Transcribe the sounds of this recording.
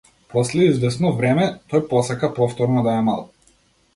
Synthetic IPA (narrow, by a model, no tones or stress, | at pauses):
pɔslɛizvɛsnɔvɾɛmɛt̪ɔjpɔsakapɔft̪ɔɾnɔd̪aɛma̰lˠ